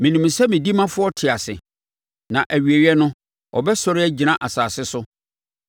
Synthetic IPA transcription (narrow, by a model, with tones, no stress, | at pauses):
mĩ˨nũ˨msɛ˦mĩ˨di˦mã˦fʊ˦ɔ˦tʰɪ˨a˨sɪ̰˨ | nã˨ʔæ˨ɥi˨e˨ɥi˦ɛ˦nʊ̃˦ | ɔ̰˨bɛ˦sɔ˦ɾɪ˦ɛ˦d͡ʑi˨nã˦ʔa˨saː˨sɪ˦sʊ˦